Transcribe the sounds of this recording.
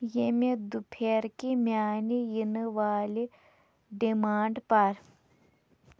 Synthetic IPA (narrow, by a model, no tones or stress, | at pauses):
jemed̪upʰeɾkimʲjaːnijinɨʋaːli | ɖimaːɳɖpɐɾ